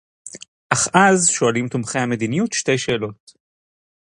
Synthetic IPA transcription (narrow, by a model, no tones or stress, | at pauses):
ʔaχʔazʃo̞alimt̪umχejhame̞d̪inijutʃte̞jʃe̞ːlo̞t